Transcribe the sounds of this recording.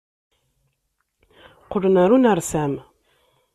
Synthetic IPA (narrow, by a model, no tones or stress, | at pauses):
qʊlənaɾunaɾsæm